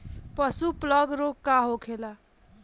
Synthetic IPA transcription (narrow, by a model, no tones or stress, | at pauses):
pʌsuplʌɡɾokːaɦokʰela